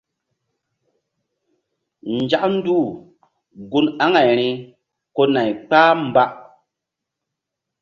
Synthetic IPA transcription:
n˨d͡ʒa˦ʔn̩˦duː˦˨ | ɡu˦na˦ŋa˨jɾi˦ | ko˦na˨jk͡paː˦m˨ba˦ʔ

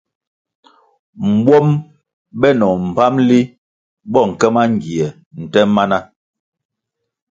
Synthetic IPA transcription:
m̩˨bwɔ˦m | ɓɛ˦nɔ˨m̩˨pa˦mli˦ | bɔ˦˨ŋ̩˨kɛ˦ma˦ŋ˨ɡi˨ɛ˨ | n̩˨tɛ˦ma˦na˦

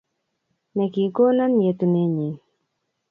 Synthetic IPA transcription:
ne˨ki˨ko˦na˦n˨je˨t̪u˨ne˦ɲi˨

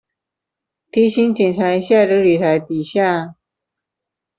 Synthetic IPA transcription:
t̪ʰi˥ɕi˥nt͡ɕɛ˨˩nt͡sʰa˧˥ɪɕja˥˩ʈ͡ʂə˧˥ly˨˩t̪ʰa˧˥ɪt̪i˨˩ɕja˥˩

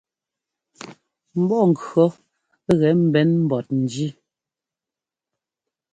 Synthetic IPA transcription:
m̩˨˦bɔ˦˨ŋ̩˨kɰɔ˨˦ | ɣɛ˨˦m̩˦˨bɛ˨˦nm̩˦bɔ˨t̚n̩˨d͡ʒi˦

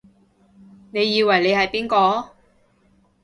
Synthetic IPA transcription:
ne˨˧jːiː˧wɐ˨˩jle˨˧jhɐ˨jpiː˥nkɔː˧

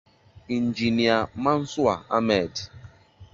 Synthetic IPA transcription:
i˨n˨d͡ʒi˨ni˨a˨ma˦n̩˦sʊ˦a˨a̰˦mɛ˨d

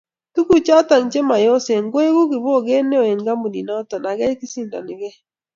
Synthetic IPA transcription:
tu˦ku˦t͡ʃa˦ta˨ŋt͡ʃe˦ma˨jo˦se˨ŋɡwe˦ɡu˦ɡɪ˨bo˦˨ɡe˦ne˦o˨e˨ŋɡa˦mu˨dḭ˨nɔ˦tɔ˨na˨ɡɛ˦kɪ˦sɪ˦ndɔ̰˨nɪ˨ɡɛ˦

